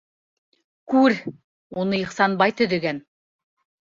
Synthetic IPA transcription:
kʉɾ | onɤjɤqsɑnbɑjt̪ɵd̪ĕɡæn

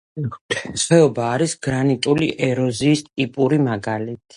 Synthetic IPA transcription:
sχɛɔbaːɾisɡɾanit̪ʼuliʔɛɾɔziːst̪ʼipʼuɾimaɡalit̪ʰi̥

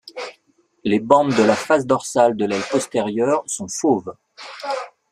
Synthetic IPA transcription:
lebɑ̃bd̪əlafas̬d̪ɔʁsald̪əlɛlpɔst̪eʁjœʁsɔ̃fov

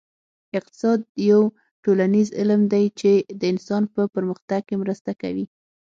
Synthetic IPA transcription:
ɪq̚t̪ɪ̥sɑd̪̚jaw | ʈolanizɪ̰lmd̪ajt͡ʃed̪əɪnsɑnpəpəɾməxt̪aɡ̚kemɾəst̪aka̰wi

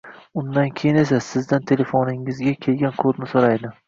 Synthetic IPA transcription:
ʊnd̪ankʲʰejɪne̞sasɪzd̪ant̪ʰe̞le̞fonɪŋɪzɡʲakʲʰe̞lɡʲankʰoɾnɪsoɾajd̪ɪ

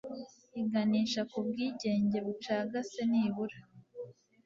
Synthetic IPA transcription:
iɡaniːʃakub̚ɡiːɟe̞ːɲɟe̞βut͡ʃaːɡase̞niːβuɾa

